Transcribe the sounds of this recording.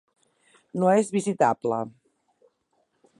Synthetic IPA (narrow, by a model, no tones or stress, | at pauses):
noezβizit̪ablə̰